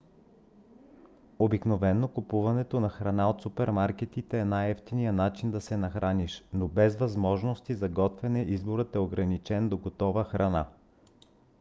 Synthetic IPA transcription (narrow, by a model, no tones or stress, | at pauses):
obiknovɛnːokupuvɐnɛt̪onɐxɾɐnaot̪supɛɾmaɾkɛt̪it̪ɛːnajɛft̪inijənat͡ʃind̪ɐsɛnɐxɾaniʃnobɛzvɐzmɔʒnost̪izɐɡɔt̪vɛnɛʔizboɾət̪ɛoɡɾɐnit͡ʃɛnd̪oɡot̪ɔvəxɾɐna